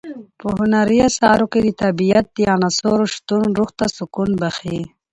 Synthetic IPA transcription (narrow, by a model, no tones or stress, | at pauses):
pəɦʊnaɾiasɑːɾoked̪it̪abijat̪̚d̪ianasoɾoʃt̪unɾuxt̪asukunbaxi